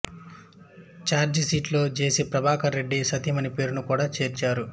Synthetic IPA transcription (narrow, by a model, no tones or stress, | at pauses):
t͡ʃaːɾd͡ʒsiːʈlo̞ːd͡ʒe̞ːsipɾɐbʱaːkɐɾe̞ɖːisɐt̪imɐnipe̞ːɾunukuːɽaːt͡ʃe̞ːɾt͡ʃaːɾu